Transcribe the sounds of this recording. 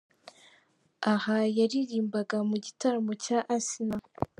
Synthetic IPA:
ahajaɾiɾiːmbaɡamuɟitaɾmocaʔasina

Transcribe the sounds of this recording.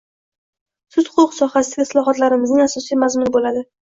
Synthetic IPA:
sʊt̪hʊʊqsɒχasɪd̪aɡʲɪslˠɒɦɒt̪laɾɪmɪznɪŋasɒsijmazmʊnɪbolad̪ɪ

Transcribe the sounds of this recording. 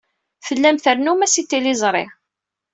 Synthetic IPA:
fəlːæmθəɾnumæsit̪ːilɪzˤɾˤḛʁ

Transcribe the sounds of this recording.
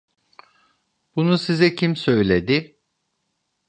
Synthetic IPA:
b̥unusizɛcʰimsøjlʲed̪ɪ

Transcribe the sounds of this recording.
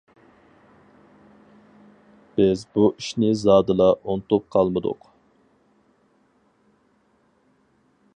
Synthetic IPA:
b̥ɪzbuʔiʃnɪzɑːd̪ɨlˠɑʔont̪up̚qʰɑlˠmɨd̪ʊ̰q

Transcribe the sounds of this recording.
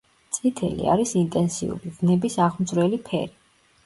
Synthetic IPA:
t̪sʼit̪ʰɛ̰lḭa̰ɾisint̪ʼɛnsiṵɾivnɛbisaʁmd̪zɾwɛlipʰɛ̰ɾi

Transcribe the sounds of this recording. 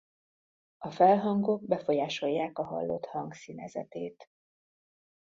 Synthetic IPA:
ɒfɛlɦɒŋɡoɡ̚bɛfo̞jaːʃo̞jːaːkɒɦɒ̰lːo̰t̪hɒŋɡsinɛzɛ̰t̪eːt̪

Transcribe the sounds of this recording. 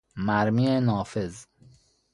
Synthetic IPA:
mæɾmiːenɒːfez

